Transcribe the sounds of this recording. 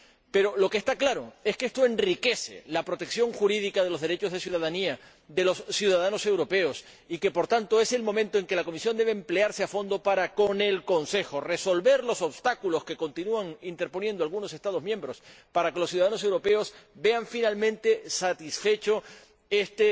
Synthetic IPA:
pe̞ɾo̞lo̞kest̪aklaɾo̞e̞skeest̪o̞e̞nrike̞se̞̰lapɾo̞t̪e̞ksjo̞ŋxuɾiðikað̞e̞lo̞zðeɾe̞t͡ʃo̞zð̞e̞sjuð̞aðania | ðe̞lo̞sːjuðaðano̞se̞wɾo̞pe̞os | ike̞po̞ɾt̪ant̪o̞e̞se̞lmo̞mẽnt̪oe̞ŋke̞lako̞misjo̞nd̪e̞βeːmpleaɾseafo̞nd̪o̞paɾako̞ne̞lko̞nse̞xo̞re̞so̞lβe̞ɾlo̞so̞βst̪akulo̞ske̞ko̞nt̪inuaŋint̪e̞ɾpo̞njend̪oalɣuno̞se̞st̪að̞o̞zmjẽ̞mbɾo̞spaɾake̞losːjuðaðanos̬e̞wɾo̞pe̞o̞sbe̞aɱfinalmẽ̞nt̪e̞sat̪isfe̞t͡ʃo̞ | e̞st̪e

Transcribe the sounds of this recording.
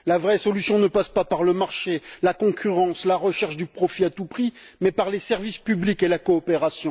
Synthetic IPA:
lavʁɛsɔlysjɔ̃nəpaspapaʁləmaʁʃelakɔ̃kʲʰyʁɑ̃slaʁəʃɛʁʃd̪ypχɔfiat̪upχimɛpaʁlesɛʁvispyblikelakɔːpeʁasjɔ̃

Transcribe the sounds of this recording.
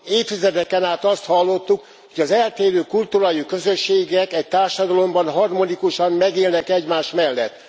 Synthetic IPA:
eːt̪t̪izɛd̪ɛkɛnaːt̪ɒst̪hɒlːo̞t̪ːuk | hoɟɒzɛlt̪eːɾøːkult̪uɾajikø̞zø̞ʃːeːɡɛkɛc̚t̪aːrʃɒd̪ɒlo̞mbɒnɦɒrmo̞nikuʃɒmmɛɡeːlnɛkɛɟmaːʃmɛlːɛ̰t̪ː

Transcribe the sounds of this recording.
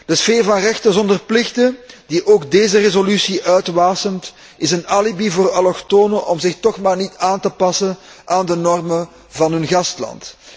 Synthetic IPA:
d̥əsfeːrvɑnrɛxtəzɔndərplɪxdədiʔoːɡdeːzərezolysiʔœɥtʋaːsəmt | ʔɪsənaːlibivoːrɑlɔxtoːnəʔɔmzɪxtɔxmaːrnitaːntəpɑsən | ʔaːndənɔrmə | vɑnɦɵnɣɑstlɑ̰nt

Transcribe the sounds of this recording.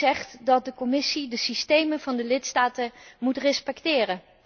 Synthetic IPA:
ɛχtdɑt̚dəkɔmɪsidəsistejməvɑndəlɪtstaːtəmutrɛspɛktɪːrən

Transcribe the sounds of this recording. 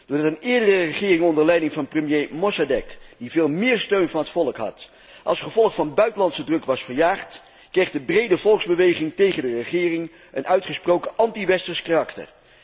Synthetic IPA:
d̥ʊːɹdɑtənɪːɹdərərəχɪːrɪŋɔndəɹlɛjdɪŋvɑnprəmjejmɔsadɛkdivɪːlˠmɪːɹstøɥnvɑnɦətfɔlˠəkɦɑ̰t | ʔɑ̰lˠsχəvɔlˠχfɑnbœɥtəlɑntsədrɵkʋɑsfəɹjaːχt | krejχdəbrejdəvɔlˠɡzbəʋejχɪŋtejχəndərəχɪːrɪŋ | ənœɥtχəsprowkəʔɑntiʋɛstəɹskarɑktə̰ɹ

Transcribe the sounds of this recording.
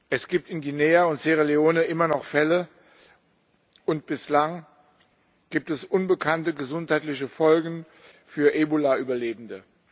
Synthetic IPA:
ʔɛsɡ̥iːp̚tɪnɡineːaʊntz̥eʁeleoːnəʔɪmɐnɔχfɛlə | ʔʊnt̚b̥ɪslaŋ | ɡ̥iːp̚tɛsʔʊnbəkʰantəɡəzʊnthaɪtlɪçəfɔlɡŋ̩ | fyːɐʔeːbolaʔyːbɐleːbn̩də

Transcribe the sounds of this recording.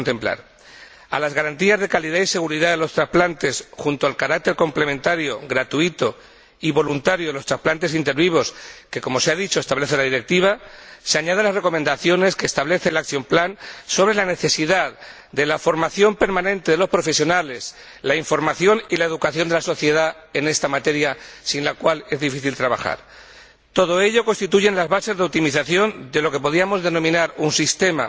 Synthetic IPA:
nt̪e̞mpla̰ɾ | a̰lazɣaɾant̪iazðe̞kaliðaise̞ɣuɾiðaðelo̞st̪ɾasplant̪e̞sxunt̪oalkaɾak̚t̪e̞ɾko̞mple̞mẽnt̪aɾjo̞ɣɾat̪uit̪o̞ | iβo̞lunt̪aɾjoelot̪ɾasplant̪e̞s̬int̪e̞ɾβiβ̞o̞ske̞ko̞mo̞seaðit͡ʃo̞est̪aβle̞θe̞laðiɾe̞k̚t̪iβ̞ase̞aɲað̞enlazre̞ko̞mẽnd̪aθjo̞ne̞skeːst̪aβle̞θelakθjomplanso̞β̞ɾe̞lane̞θe̞siðað | d̪e̞lafo̞ɾmaθjo̞mpe̞ɾmãnẽ̞nt̪eðelo̞spɾo̞fe̞sjo̞nale̞s | laiɱfo̞ɾmaθjo̞nilae̞ðukaθjo̞nd̪e̞laso̞θje̞ða | e̞ne̞st̪amat̪e̞ɾjasinlakwale̞zðifiθilt̪ɾaβa̰xa̰ɾ | t̪o̞ðo̞e̞ʎo̞ko̞nst̪it̪uʝe̞nlazβase̞zðe̞ut̪imiθaθjo̞nd̪e̞lo̞ke̞po̞ðiamo̞zðe̞nõ̞mĩnaɾunsist̪e̞ma̰

